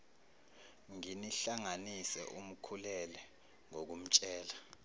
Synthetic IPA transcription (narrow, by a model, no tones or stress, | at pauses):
ŋiniɬaŋanisɛ̰ʔum̩kʰulɛlɛ | ŋok̬um̩t͡ʃʼɛːla